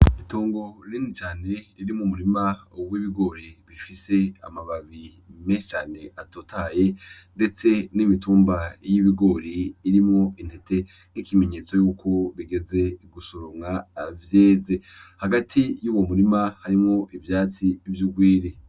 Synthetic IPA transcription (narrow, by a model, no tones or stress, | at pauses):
itoːŋɡo̞ɾinit͡ʃaːne̞iɾimumuɾimawiβiɡo̞ɾiβifise̞a̰maβaβi | met͡ʃaːne̞ʔatotʰaje̞ | nde̞t͡se̞nimituːmbajiβiɡo̞ɾiːɾimŋoindete̞ | nikime̞ɲe̞ːt͡so̞juːkʰo̞βiɡe̞ze̞ɡusoɾomŋaːvje̞ːze̞ | haɡatʰijuːwo̞muɾimahaɾimŋoʔivjaːt͡sivjuɡwiːɾe